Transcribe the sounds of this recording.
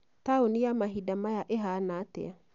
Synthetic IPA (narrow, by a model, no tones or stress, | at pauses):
taonijamaɦidamajaʔeɦanatɛ̰a